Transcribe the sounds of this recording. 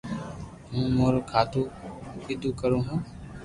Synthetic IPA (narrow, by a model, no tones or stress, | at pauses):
ɦũːmoːɾoːkʰaːt̪ũːɪd̪uːkəɾõːɦũː